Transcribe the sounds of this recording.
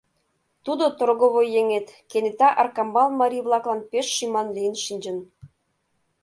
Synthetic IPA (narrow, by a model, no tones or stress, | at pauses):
t̪ud̪ot̪orɣoβojjeŋet̪kenet̪ɑʔɑrkɑmbɑlmɑɾʲijβlˠɑklˠɑnpeʃːimɑnlijə̆nʃinʲd͡ʑə̆n